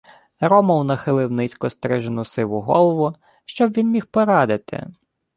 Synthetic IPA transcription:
ɾɔmɔwnɐxɪlˠɪwnɪsʲkɔst̪ɾɛʒenʊsɪʋʊɦɔlˠɔʋʊ | ʃt͡ʃɔbʋʲinmʲixpɔɾɑd̪ɪt̪ɪ̰

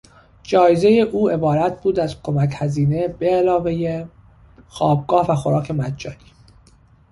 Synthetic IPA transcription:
d͡ʒɒːjeze̞jeʔuːe̞bɒːɾæt̪ʰbuːd̪æzkʰo̞mæchæziːne̞b̥eːlɒːve̞je | xɒːb̚ɡɒːhvæxoɾɒːcʰe̞mæd̪d͡ʒɒːniː

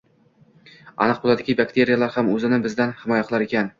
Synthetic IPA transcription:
a̰nɨq̚bolˠad̪ɪɡʲɪbakʲt̪ʰe̞ɾijalaɾhamɵzɪnɪbɪzd̪anhɪmɒjaqʰɨlˠaɾekʲan

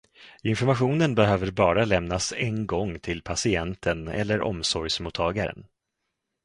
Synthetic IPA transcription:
ɪnfɔɾmaɧuːnənbɛɦøːvəɾbɑːɾalɛmnasɛnɡɔŋːt̪ʰɪlpʰasɪɛnt̪ʰənɛ̰lːəɾʔɔ̰msɔɾjsmuːt̪ʰːɑːɡaɾə̰n

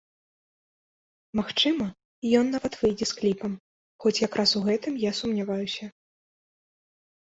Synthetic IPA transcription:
maxt͡ʂɨmɐ | jɔnːavɐt̪vɨjd͡zʲɛsklʲipɐm | xɔt͡sʲjakɾʔasuɣɛt̪ɨmjasumnʲavajusʲɐ

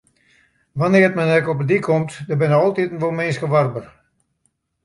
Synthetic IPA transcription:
ʋanɪəətmɛnɛkɔpədikʰɔmtdəbɪnəɔlˠtitn̩ʋomensxəʋarbər

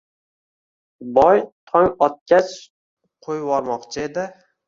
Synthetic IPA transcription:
bɒjt̪ʰɒŋɒt̪̚kʲʰat͡ʃ | qʰojwɒɾmɒqt͡ʃʰɪed̪ɪ

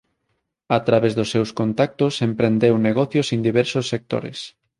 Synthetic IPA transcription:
at̪ɾaβezðosːewskont̪ak̚t̪osempɾend̪ewneɣɔθjosend̪iβɛɾsosːek̚t̪o̰ɾḛs

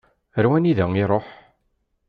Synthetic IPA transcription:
əɾwæniðəŋiɾˤoħ

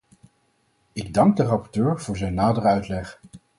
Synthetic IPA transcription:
ɪɡ̚dɑŋɡ̚dərɑpɔɹtøːɹv̥ʊːɹzɛjnːaːdərəœɥtlɛχ

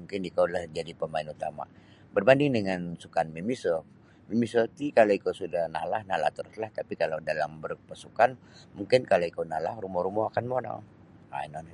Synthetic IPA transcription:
muŋkɪnikawlahd͡ʒadipəmaɪnut̪ama̰ | bərbandɪŋdəŋansukanmimisɔ | mimisot̪ikaloikosudahna̰lahnala̰ht̪əɾuslaht̪apikalawdalambərpasukan | muŋkɪnkaloikownala̰hrumɔɾumɔhakanmona̰ | a̰inɔn

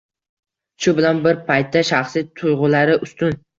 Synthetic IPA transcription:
t͡ʃʰʊbɪlanbɪɾpʰajt̪ʰːaʃaχsit̪ʰʊjʁʊlaɾɪʔʊst̪ʊn

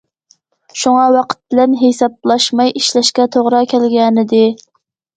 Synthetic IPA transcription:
ʃuŋɑwɑqʰə̥t̪̚bɪlɛnɦesɑb̚lˠɑʃmɑjiʃlɛʃkʲɛt̪ʰoʁɾɑkʲʰɛlɡʲɛnɪd̪ɪ

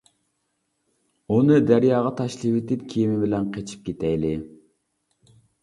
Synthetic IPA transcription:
unɨd̪æɾjɑːʁɑt̪ʰɑʃlˠɨwɪt̪ɪp̪̚kʲʰijimɪbɪlɛnqʰet͡ʃʰi̥p̚kʲet̪ʰɛjlɪ

